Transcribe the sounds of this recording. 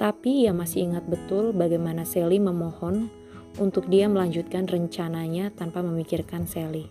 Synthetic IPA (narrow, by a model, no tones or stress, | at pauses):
t̪apijaŋmasɪiŋat̪̚bət̪ʊlbaɡajmanasɛliməmɔhɔn | unt̪ʊk̚diaməlaɲd͡ʒut̪̚kanrəɲt͡ʃanaɲat̪anpaməmikirkansɛli